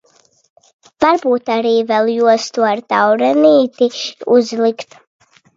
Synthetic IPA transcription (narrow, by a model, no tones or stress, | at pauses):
vaɾbuːt̪aɾiːvɛlˠjuɔst̪uaɾt̪awɾɛniːt̪iuzlˠikt̪